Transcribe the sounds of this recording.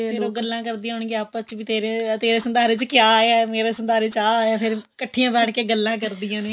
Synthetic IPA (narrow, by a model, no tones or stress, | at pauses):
eːõːɡəlːãːkəɾd̪ĩːjãɦʊɳɡeaːpət͡ʃʋiːt̪eːɾẽːt̪eːɾeːsənd̪aːɾeːt͡ʃkɪjaːeaːmeːɾeːsənd̪aːɾeːt͡ʃaːjaːpʰɪɾkəʈʰːijãːbɛːʈʰkeːɡəlːãːk̬əɾd̪ijãːneː